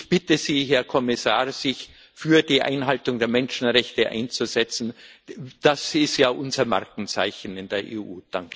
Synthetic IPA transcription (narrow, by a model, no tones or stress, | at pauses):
ɪçb̥ɪtəziːɦɛɐkʰɔmɪsaːɐz̥ɪç | fyːɐdiːʔa̰ɪnɦaltʊŋdeːɐmɛnʃn̩ʁɛçtəʔa̰ɪnt͡suzɛt͡sn̩d̥asɪstjaːʔʊnzɐmaɐkŋ̩t͡sa̰ɪçn̩ɪndeːɐʔḛːʔuːd̥aŋk